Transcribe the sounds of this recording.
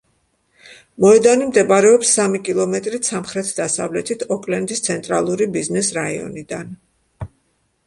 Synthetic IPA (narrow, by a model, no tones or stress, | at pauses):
mɔɛd̪animd̪ɛbaɾɛɔpsːamikʼilˠɔmɛt̪ʼɾisamχɾɛt̪ʰd̪asa̰vlɛt̪ʰit̪ʰɔkʼlɛnd̪ist̪sʰɛnt̪ʼɾalˠuɾibiznɛsɾaiɔ̰nid̪an